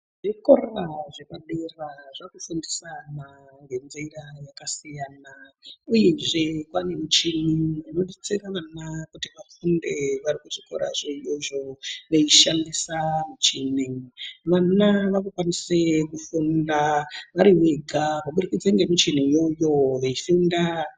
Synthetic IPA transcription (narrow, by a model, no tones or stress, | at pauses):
ʐ̥iko̞raʐepaɗeraʐakuʃundisanaŋɡe̞nzeirajakasijaːnauje̞ʐekwanemit͡ʃinimano̞ɗit͡seraʋanakutiʋafundeʋaɾikuʐiko̰ɾa̰ʐeijo̞ʐo̞ʋeiʃandisamit͡ʃineʋanaʋakukwanisekufundaʋaɾiweɡʱakaɓuɾikid͡zaŋɡemit͡ʃinijojo̞ʋeifunda